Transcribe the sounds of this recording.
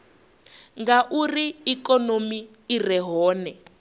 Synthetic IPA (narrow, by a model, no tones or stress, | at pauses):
ŋɡaʔuriːkɔnomiː | rɛɦɔːnɛ